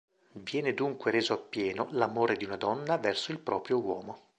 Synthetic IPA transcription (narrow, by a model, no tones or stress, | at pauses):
vjɛːned̪uŋkweɾeːzoapːjɛːnolamoːɾed̪iunad̪ɔnːavɛrsoilpɾɔːpɾjowɔːmo